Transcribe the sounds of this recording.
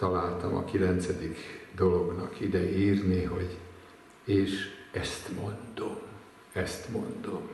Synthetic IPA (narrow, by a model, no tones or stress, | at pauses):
t̪ɒlaːlt̪ɒmɒ̰kilɛnt̪sɛd̪ikd̪o̞lo̞ɡnɒkid̪ɛiːrniɦo̞ɟ | eːʃɛst̪mo̞nd̪̥om | ɛst̪mo̞nd̪om